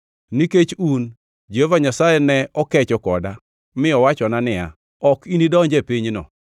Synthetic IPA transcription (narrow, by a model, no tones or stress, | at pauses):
niket͡ʃun | d͡ʒeovaɲasajɛnɛɔkɛt͡ʃɔkɔda | mɪɔwat͡ʃɔnanɪa̰ | ɔkinidɔɲd͡ʒɛpiɲnɔ̰